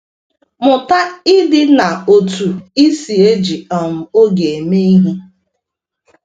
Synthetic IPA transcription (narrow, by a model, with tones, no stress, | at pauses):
mʊ˨ta˦ɪ˦dɪ˦na˨o˨tu˨i˦si˨e˦d͡ʒi˨ɔ˨m̩˨o˦ɡe˨e˨me˦i˦ɦi˦